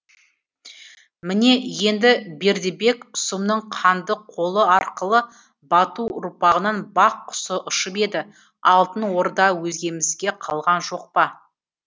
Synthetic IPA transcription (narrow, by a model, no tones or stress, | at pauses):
mɪne̞je̞nd̪ɪbe̞ɾd̪ebe̞kʊsəmnəɴqʰɑnd̪əqqʰo̞lˠəɑɾqəlˠə | bɑt̪uʊɾpɑʁənɑnbɑqʰːʊ̥səʔʊʃəpe̞d̪ɪ | ɑlˠt̪ənwo̞ɾd̪ɑwɵzɡʲe̞mɪzɡʲe̞qʰɑlˠʁɑnʒo̞q̚pɑ